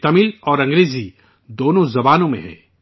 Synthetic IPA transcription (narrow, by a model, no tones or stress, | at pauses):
t̪ɐmɪlɔːɾɐ̃ŋɡɾeːzi | d̪oːnõzɐbaːnõmḛ̃ɦɛ̰̃ː